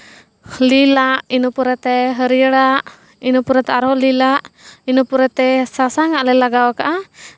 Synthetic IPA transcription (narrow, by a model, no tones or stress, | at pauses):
lilaʔinupuɾɛt̪ɛɦəɾijəɽaʔ | inupuɾɛt̪ɛaɾɦɔlilaʔinupuɾɛt̪ɛsasaŋaʔlɛlaɡawakaʔa